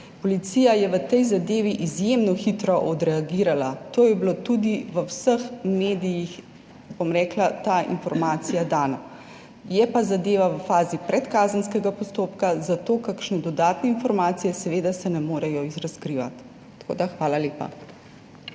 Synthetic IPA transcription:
pɔlit̪sijajɛʋət̪ɛjzad̪eːʋiʔizjemnɔxit̪ɾɔʔɔd̪ɾɛaɡiːɾalat̪oːjɛblot̪ud̪iʋəwsəxmeːd̪ijix | bomɾɛːklat̪aḭnfɔɾmaːt̪sijad̪aːna | jɛpazad̪eːʋaʋəfaːzipɾɛt̪kaːzənskɛɡapɔst̪oːpkazat̪oːkakʃnɛd̪ɔd̪aːt̪nɛinfɔɾmaːt̪sijɛsɛʋeːd̪asɛnɛmoːɾɛjɔizɾaskɾiːʋa̰t̪ː | ko̰ːd̪axʋaːlaleːpa̰

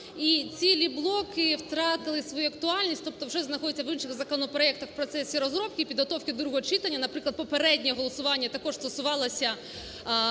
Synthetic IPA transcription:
it͡sʲilʲiblˠokɪwt̪ɾɑt̪ɪlˠɪsʋɔjuɐk̚t̪ʊɑlʲnʲisʲt̪ɔp̚t̪ɔwʐɛznɐxɔdʲɪt̪ʲːɐʋinʂɪɣzɐkɔnɔpɾɐɛk̚t̪ɐxwpɾɔt̪sɛsʲiɾɔzɾɔp̚kʲɪpʲid̪ɦɐt̪ɔwkʲɪd̪ɾuɦɔt͡ʃɪt̪ɐnʲːɐnɐpɾɪklˠɐd̪̚pɔpeɾɛdʲnʲɛjɛɦɔlˠɐsʊʋɑnʲːɐt̪ɐkɔʂst̪ɐsʊʋɑlˠɐsʲɐ

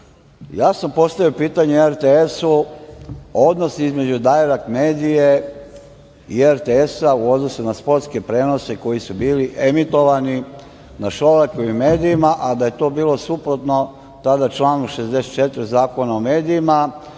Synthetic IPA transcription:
jaːsampo̞st̪aʋiopiːt̪aɲeeɾt̪eesu | o̞d̪no̞sizme̞d͡ʑud̪ajeɾakmeːd̪ije | ieɾt̪eesauo̞d̪no̞sunaspo̞ɾt̪ske̞pɾe̞ːno̞se̞ko̞jisubiːliʔe̞mit̪o̞ʋani | naʃoɾakoʋime̞ːd̪ijimaʔad̪aje̞t̪o̞ːbiːlˠo̞supɾo̞t̪no̞ | t̪ad̪at͡ʃlˠaːnukʃe̞zd̪e̞set̪t͡ʃe̞t̪ɾizaːko̞naome̞ːd̪iima

